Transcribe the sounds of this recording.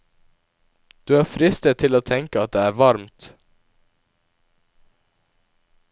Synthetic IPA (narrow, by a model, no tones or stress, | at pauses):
d̪̥ʉːæːfɾɪst̪ət̪ʰɪloːt̪ʰɛŋkəɑt̪̚d̪eːæːɾʋɑɾmt̪